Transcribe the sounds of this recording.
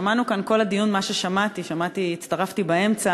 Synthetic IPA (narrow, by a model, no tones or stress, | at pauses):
amanukanko̞lad̪ijunmaʃeʃamat̪iʃamat̪iːt̪st̪aʁaft̪ibae̞mt͡sa